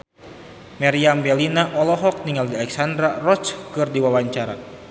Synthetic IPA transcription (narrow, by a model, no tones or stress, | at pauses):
mɛɾiambɛlinaʔɔlɔɦɔk̚niŋaldialɛksandɾarɔt͡ʃkɨrdiwawaɲt͡ʃaɾa